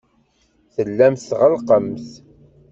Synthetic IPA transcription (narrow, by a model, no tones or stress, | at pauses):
θəlːæmθθʁəlqəmθ